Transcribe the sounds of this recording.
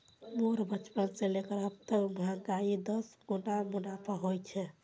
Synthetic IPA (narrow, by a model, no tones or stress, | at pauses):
moɾbət͡ʃpənsẽlekəɾəb̚t̪əmɦãɡaid̪əsɡunamunapʰaɦojt͡ʃʰɛ